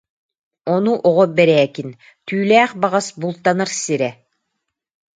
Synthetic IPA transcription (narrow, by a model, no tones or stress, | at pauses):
ɔnuʔɔʁɔbɛɾɛːkin | t̪yːlæːχbaʁasbulˠt̪anaɾsiɾɛ